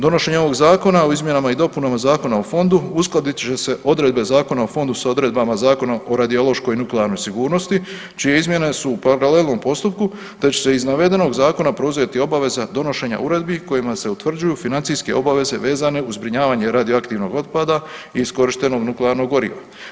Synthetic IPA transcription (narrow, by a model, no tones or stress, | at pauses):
d̪o̞no̞ʃe̞ɲeo̞ʋo̞ɡzaːko̞nao̞izmʲjenamaid̪o̞punamazaːko̞naofo̞nd̪uusklˠad̪it̪t͡ʃese̞ʔo̞d̪ɾe̞d̪be̞zaːko̞naofo̞nd̪usao̞d̪ɾe̞d̪̚bamazaːko̞naʔo̞ɾad̪io̞lˠo̞ʃko̞jinukleaɾno̞jsiɡuːɾno̞st̪i | t͡ʃije̞izmje̞ne̞suːpaɾale̞lˠno̞mpo̞st̪up̚ku | t̪et͡ɕe̥se̞iznaʋe̞d̪e̞no̞ɡzaːko̞napɾo̞uzet̪io̞baʋe̞zad̪o̞no̞ʃe̞ːɲa̰uɾe̞d̪biko̞jimase̞ut̪ʋr̩d͡ʒujuːfinant̪ijske̞o̞baʋe̞ze̞ʋe̞ːzane̞uzbɾiɲaːʋaɲe̞ɾad̪ioakt̪iːʋno̞ɡo̞d̪̚pad̪aiːsko̞ɾiʃt̪e̞no̞ɡnukleaɾno̞ɡoɾḭːʋa̰